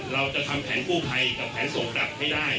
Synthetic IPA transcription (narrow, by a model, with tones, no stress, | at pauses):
ɾa˧wt͡ɕa˨˩t̪ʰa˧mpʰɛː˩˦nkuː˥˩pʰa˧jka˨˩pʰːɛː˩˦nsoː˨˩˦ŋa˨˩p̚ha˥˩jdaː˥˩j